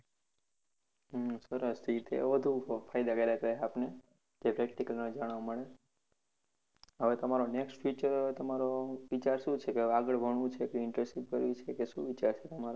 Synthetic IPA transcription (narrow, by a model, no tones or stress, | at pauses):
səɾəst̪ʰit̪ḛʋəd̪ʱũfʰajd̪akelakəeapne | d͡ʒepɾɛk̚ʈikəlnəd͡ʒaɽ̃ʋaməɭe | ɦəʋet̪əmaɾoneksʈfit͡ʃəɾt̪əmaɾoʋit͡ʃaɾʃũt͡ʃʰekeaɡəɭbʱəɳ̃ʋũt͡ʃʰekeɪɳʈɾesiʋkəɾʋit͡ʃʰekeʃṵ̃ʋit͡ʃaɾt͡ʃʰet̪əmaɾ